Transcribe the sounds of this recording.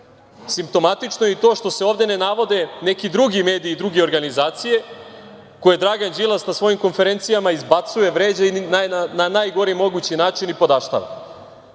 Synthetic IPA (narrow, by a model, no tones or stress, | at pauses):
simp̚t̪o̞mat̪it͡ʃnojeit̪o̞ːʃt̪o̞se̞o̞ːʋd̪e̞ne̞naʋo̞d̪e̞ne̞kid̪ɾuɡime̞ːd̪iːd̪ɾuɡeo̞ɾɡanizaːt̪sije̞ | ko̞jed̪ɾaɡand͡ʑilˠasnasʋo̞jimko̞nfe̞ɾe̞nt̪sijamaizbat̪suje̞ʋɾe̞ːd͡ʑainaananajɡo̞ɾimo̞ɡut͡ɕinaːt͡ʃinipo̞d̪aʃt̪a̰ʋa̰